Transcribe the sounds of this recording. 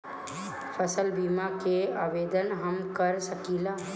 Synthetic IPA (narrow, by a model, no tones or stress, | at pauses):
fʰəsəlbiːmakeaːʋeːd̪ənɦəmkəɾsəkiːlaː